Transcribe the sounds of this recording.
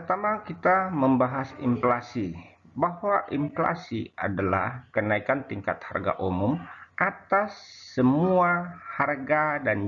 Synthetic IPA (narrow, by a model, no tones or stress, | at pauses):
ərt̪amakit̪aməmbaɦasḭmflasi | bahwaʔiɱfla̰sia̰dala̰hkənaikant̪iŋka̰t̪̚ha̰rɡa̰ʔumumʔat̪asːəmuaharɡadan